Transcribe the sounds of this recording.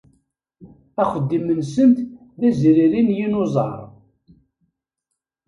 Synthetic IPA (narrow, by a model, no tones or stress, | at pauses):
æχəd̪ːimənsənt̪ | ðæzɾiɾinjinozˤɑ̰ɾˤ